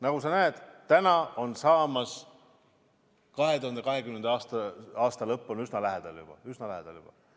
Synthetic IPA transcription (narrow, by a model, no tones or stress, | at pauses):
nɑɡusɑnæed̪̥t̪ːænɑo̞nsɑːmɑs | kɑɦet̪uhɑnd̪e̞kɑɦe̞kymend̪̥ɑɑːst̪ɑɑːst̪ɑlɤpːˑonysnɑlæɦed̪̥ɑljub̥ɑ̰ysnɑlæɦed̪̥ɑljub̥ɑ̰